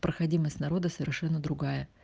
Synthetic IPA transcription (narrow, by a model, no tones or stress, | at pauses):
pɾəxɐdʲiməsʲtʲnɐɾo̞d̪əsəvʲɪrʂɛnːəd̪ɾʊɡajə